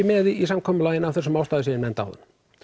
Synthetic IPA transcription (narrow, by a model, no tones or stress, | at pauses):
ɪmɛðiisamkʰɔːmʏlaːjɪnawfθɛɾsɔmawst̪aːðɪsɪðɪnmɛnt̪a̰wðʏ̰n̥